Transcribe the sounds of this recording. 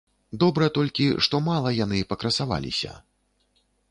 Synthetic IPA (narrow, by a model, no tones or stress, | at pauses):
d̪ɔbɾɐt̪ɔlʲkʲiʂt̪ɔmalˠɐjanɨpɐkɾɐsava̰lʲḭsʲɐ̰